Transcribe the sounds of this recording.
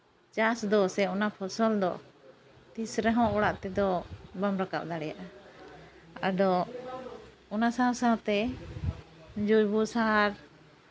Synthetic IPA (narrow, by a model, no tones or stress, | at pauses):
t͡ʃasd̪ɔsɛɔnapʰɔsɔld̪ɔ̰ | t̪isɾɛɦɔ̃ʔɔɽaʔt̪ɛd̪ɔbamɾaka̰p̚d̪aɽɛja̰ʔa | a̰ɖɔ | ɔnasãsãt̪ɛ | d͡ʒujbusaɦaɾ